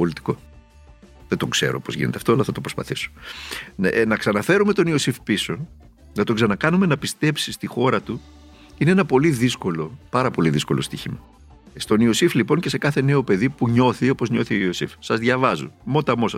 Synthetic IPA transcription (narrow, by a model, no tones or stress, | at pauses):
olit̪i̥ko̞ | ðet̪o̞kse̞̰ɾo̰po̞zʝḭn̰t̪eɐft̪oɐlɐθɐt̪opɾo̞spɐ̰θisu̥nnɐksɐnɐfe̞ɾume̞t̪oniosifpiso̞ | nɐt̪o̞ɡzɐnɐkɐnume̞nɐpist̪e̞psist̪ixo̞ɾɐt̪u | ineenɐpo̞liðisko̞lo̞pɐɾɐpo̞liðisko̞̰lo̞st̪içimɐ | st̪o̞niosiflipo̞ɲce̞se̞kɐθe̞ne̞o̞pe̞ðipuɲo̞θio̞po̞zɲo̞θioiosḭfsɐzðʝɐvɐzṵmo̞t̪ɐmo̞sɐ